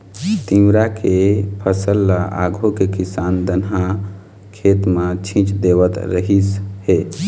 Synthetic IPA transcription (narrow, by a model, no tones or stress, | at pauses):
t̪imɾakepʰəsəlːaʔa̰ɡʱokekisand̪ənɦa | kʰet̪mat͡ʃʰĩt͡ʃd̪eβət̪ɾəɦishe